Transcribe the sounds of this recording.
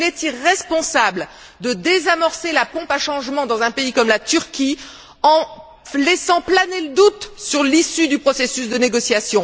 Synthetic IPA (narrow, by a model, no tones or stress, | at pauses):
lɛt̪iʁɛspɔ̃sabl | d̪əd̪ezamɔʁselapɔ̃paʃɑ̃ʒmɑ̃d̪ɑ̃zɛ̃peikɔmlat̪yʁkʲi | ɑ̃ | lɛsɑ̃planeləd̪ut̪syʁlisyd̪ypχɔsesysd̪əneɡɔsjasjɔ̃